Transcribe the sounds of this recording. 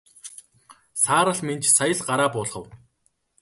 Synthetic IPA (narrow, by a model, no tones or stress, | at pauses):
saːɾə̆ɮment͡ɕsajə̆ɮɢaɾaːpʊːɮʁə̆w